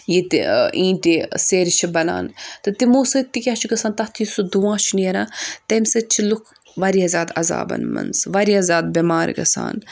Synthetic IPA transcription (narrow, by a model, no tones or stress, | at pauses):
jit̪ĩːʈiseɾt͡ʃʰibɐna̰ːnt̪ɨt̪imuːsɐt̪ːikʲaːt͡ʃʰuɡɐsaːnt̪ɐt̪ʰjisud̪uʋãːt͡ʃʰuniɐɾãːt̪ɐmʲsɐt͡ʃʰilukʰ | ʋɐɾiɐzʲaːd̪ɐza̰ːbɐ̰nmɐ̰nsʋɐɾiɐzʲaːd̪̚bʲimaːɾ̰ʲɡɐ̰sa̰ːn